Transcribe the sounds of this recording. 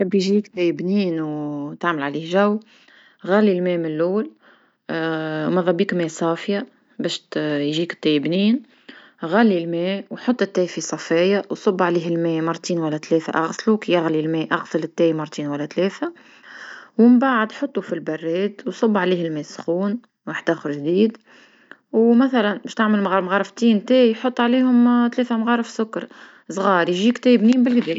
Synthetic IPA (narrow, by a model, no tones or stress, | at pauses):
æbːiʒikt̪ɛjbniːnwt̪aʕməlʕaliːhʒæwː | ɣælːilmɛːmɪnluːl | mɑðˤɑbiːkmɛːsˤɑːfja | bɛːʃt̪jʒiːkɪ̥t̪ːæjbniːn | ɣælːilmɛːwħot̪ˤːɪt̪ːɛːfisˤɑfɑjawsˤʊbːʕaliːɦɪlmɛːmɑɾˤt̪iːnwælːæt̪lɛːθa̰ʔɑɣsˤlukijaɣlilmɛːʔɑɣsˤəlɪt̪ːɛːjmɑɾˤt̪iːnwælːæt̪lɛːθæ | wɪmbaʕəd̪ħot̪ˤːufilbɑrːɛːt̪wsˤɑbːʕaliːhɪlmɛːsʊ̥xuːn | waħəd̪ʔæxəɾʒd̪iːd̪ | wmæθælænbɛːʃt̪aʕməlmmɣɑːɾˤəft̪iːnt̪ɛːħot̪ˤːʕaliːhʊmt̪lɛːfæmɣɑɾˤəfsʊkːɑɾˤ | sˤɣɑːɾˤjʒiːkt̪ɛːbniːmbɪlɡd̪ɛː